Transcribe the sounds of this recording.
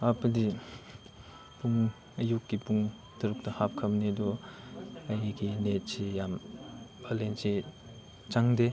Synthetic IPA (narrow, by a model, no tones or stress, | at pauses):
ɐpɐdi | puŋ | ɐjukːipuŋ | tɐɾuk̚tɐhap̚kʰɐmnedɔ | ɐjɡinet̚sejambɐlensi | t͡ʃaŋde